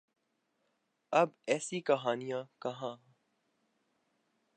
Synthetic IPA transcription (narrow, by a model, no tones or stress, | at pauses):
ɐbɛːsikɐɦaːnijãkɐɦãː